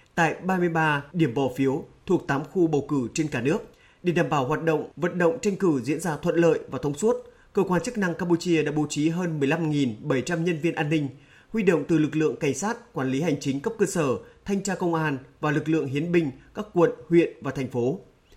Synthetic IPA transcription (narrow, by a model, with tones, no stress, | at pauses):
t̪a̰ː˧˨jɓaː˧mɨ˧əjɓaː˧ɗi˧˩əmɓɔ˨˩fi˨˦əwt̪ʰu˨˩ək̚t̪aː˨˦mxu˧ɓə˨˩wkɨ˧˩t͡ɕe˧nkaː˧˩nɨ˦˥ək̚ | ɗe˧˩ɗaː˨˩mɓaː˧˩wɦwaː˨˩t̚ɗə̰˧˨wŋ͡mvə̰˧˨nɗə̰˧˨wŋ͡mt͡ɕa˧jŋ̟kɨ˧˩zḭ˧˥ənzaː˧t̪ʰwə˧˨nlə̰ː˧˨jvaː˨˩t̪ʰə˧wŋ͡msu˦˥t̚ | kəː˧kwaː˧nt͡ɕɨ˦˥k̚na˧ŋkaː˧mpu˧t͡ɕi˧əɗa̰ː˧˥ɓo˨˦t͡ɕi˨˦ɦəː˧nmɨ˨˩əjla˧mŋi˨˩nɓə˧˩jt͡ɕa˧mɲə˧nvi˧ənʔaː˧nːï˧ŋ̟ | hwi˧ɗo̰˧˨wŋ͡mt̪ɨ˨˩lɨ˨˩k̚lɨ̰˧˨əŋka˧˩ŋ̟saː˦˥t̚kwaː˧˩nli˨˦ɦa˨˩jŋ̟t͡ɕï˨˦ŋ̟kə˦˥p̚kəː˧səː˧˩t̪ʰa˧jŋ̟t͡ɕaː˧kə˧wŋ͡mʔaː˧nvaː˨˩lɨ˨˩k̬̚lɨ̰˧˨əŋɦi˨˦ənɓï˧˩ŋ̟kaː˦˥kːwə˧˨nhwḭ˧˨ənvaː˨˩t̪ʰɛ˨˩jŋ̟fo˨˦